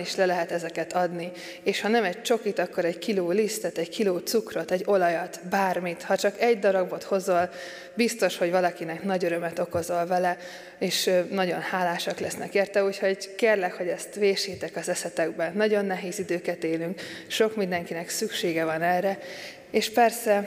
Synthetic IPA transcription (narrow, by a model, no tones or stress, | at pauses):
iʃlɛlɛɦɛt̪ɛzɛkɛt̪ɒd̪ni | eːʃhɒnɛmɛɟ̚t͡ʃo̞kit̪ɒkːo̞ɾɛɟkiloːlist̪ɛt̪ɛɟkʰiloːt̪sukrot̪ɛɟo̞lɒjɒt̪baːrmit̪hɒt͡ʃɒkɛɟd̪ɒɾɒbo̞t̪ho̞zol | bist̪o̞ʃho̞ɟvɒlɒkinɛknɒɟøɾømɛt̪o̞ko̞zo̞lvɛlɛ | eːʃnɒɟo̞nhaːlaːʃɒklɛsnɛ̰keːrt̪ɛuːcho̞ɟkeːrlɛkho̞ɟɛst̪ʋeːʃiːt̪ɛkɒzɛsɛt̪ɛɡ̚bɛnːɒɟo̞nːɛɦeːzid̪øːkɛt̪eːlyŋkʃo̞kmind̪ɛŋkinɛksykʃeːɡɛvɒnɛrɛ | eːʃpɛrsɛ